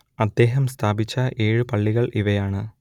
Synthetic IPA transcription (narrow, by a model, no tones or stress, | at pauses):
ɐd̪ːe̞ːɦɐmst̪ʰaːbit͡ɕːɐʔe̞ːɻɨpɐɭːiɣɐɭʔiʋɐjaːɳɨ